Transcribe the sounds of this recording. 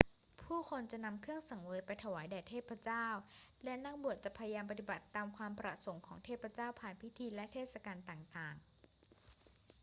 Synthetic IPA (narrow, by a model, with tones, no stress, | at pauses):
pʰuː˥˩kʰo˧nt͡ɕa˨˩ʔna˧mkʰɯ˥˩əŋsa˨˩˦ŋwɤː˧jpa˧jt̪ʰa˧waː˩˦jdɛː˨˩t̪ʰeː˥˩t̪̚pʰa˧˥t͡ɕaː˥˩wlɛ˦˥na˥˩ŋbu˨˩ət̪̚t͡ɕa˨˩pʰa˧ja˧jaː˧mp̬a˧t̪i˨˩ba˨˩t̪ːaː˧mkʰwaː˧mpɾa̰˧so˩˦ŋkʰɔː˩˦ŋt̪ʰeː˥˩t̪̚pʰːɾa˧˦t͡ɕaː˥˩wpʰaː˨˩npʰi˦˥t̪ʰiː˧lɛ˦˥t̪ʰeː˥˩t̪̚sa˧kaː˧nt̪aː˨˩ŋt̪aː˨˩ŋ